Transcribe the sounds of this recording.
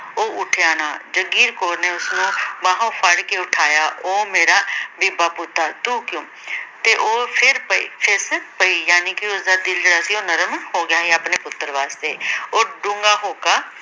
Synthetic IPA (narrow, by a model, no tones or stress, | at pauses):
oːʔʊʈʰeaːna̰ːd͡ʒəɡiːɾkoːɾneːʊsnũːmaːɦõːpʰəɽkeːʊʈʰaːjaːʔoːmeːɾaːbeːbaːpʊt̪ːaːt̪uːkjõː | t̪eːʔoːpʰɪɾpəḭːpʰɪspəiːjaːniːkɪʊsd̪aːd̪ɪld͡ʒeːɽaːsĩːoːnəɾəmhoːɡɪjaːɦẽapneːpʊt̪ːəɾʋaːst̪eːoːɖʊ̃ŋɡaːɦoːkaː